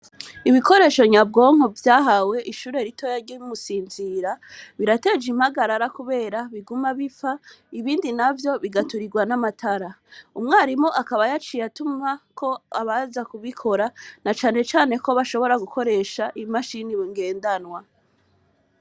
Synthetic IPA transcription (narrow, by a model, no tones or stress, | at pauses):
iβiko̞ɾe̞ːʃo̞ɲab̚ɡo̞ːŋ̥ovjaːɦawe̞ʔiʃuːɾe̞ɾito̞jaɾɟimumusiːnziɾaβiɾate̞d͡ʒimhaɡaɾaɾakuβe̞ːɾaβiɡumaβifaiβiːndinavjo̞βiɡatuɾiɡwanamatʰaɾaumŋaːɾimoʔakaβajat͡ʃijatumakʰo̞aβazakuβikʰo̞ɾanat͡ʃaːne̞t͡ʃaːne̞ko̞βaʃo̞βo̞ɾaɡuko̞ɾe̞ʃaʔimaʃiniβiŋɡe̞ːndanwa